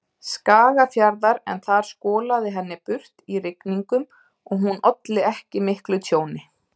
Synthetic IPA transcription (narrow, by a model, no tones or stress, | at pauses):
skaːɣafjaɾðaɾɛ̰nθaɾ̥skɔːlaðɪɦɛnːɪpʏr̥t̪irɪkniŋkʏm | ɔɣɦunʔɔt̪lɪɛhcɪmɪhklʏt̪ʰjoːwnɪ